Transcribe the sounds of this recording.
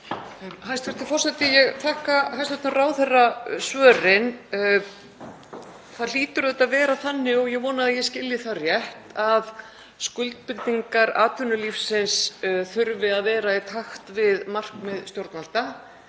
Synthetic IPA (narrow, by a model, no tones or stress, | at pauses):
mhajst̪vɪɾ̥t̪ɪfɔr̥sɛt̪ɪjɛɣt̪ʰaːhkahajst̪vɛht̪ɪraːwθɛrːasvœːrɪn | θaliːt̪ʏɾðɛt̪aðvɛːɾaθanːɪɔɣjɛɣvɔːnaaðjɛscɪljɪθarjɛht̪að | skʏlt̪̚pɪɾt̪iŋkaɾa̰ːt̪ʰʏnːʏlifsɪnsθʏɾvɪaðvɛːɾait̪ʰaxt̪vɪðmar̥kmɛðst̪jowɾt̪nal̥t̪a